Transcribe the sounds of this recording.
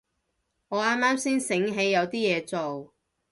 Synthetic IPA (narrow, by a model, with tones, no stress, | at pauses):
ŋɔː˨˧aː˥maː˥msiː˥nsɪ˨˥ŋɦe˨˧jːɐ˨˧wt̪iː˥jɛː˨˧t͡so˨w